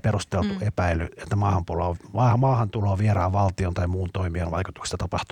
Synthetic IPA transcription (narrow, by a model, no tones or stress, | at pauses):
perust̪elt̪uʔepæilyet̪ːæmɑːhɑmpuloːɑːmɑːhɑnt̪uloːʋierɑːʋʋɑlt̪iont̪ɑimuːnt̪oimiɑnʋɑ̰ikut̪ukst̪ɑt̪ɑpɑht̪u